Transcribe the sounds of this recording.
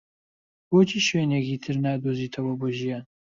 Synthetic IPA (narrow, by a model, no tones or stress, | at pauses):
boːt͡ʃʰiːʃweːnekiːt̪ʰɨɾnaːd̪oːziːt̪ʰɐwɐboːʒijaːn